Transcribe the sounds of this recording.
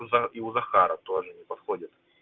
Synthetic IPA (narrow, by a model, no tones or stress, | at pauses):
iuzɐxaɾət̪o̞ʐɨnʲɪpɐt̪xodʲɪt̪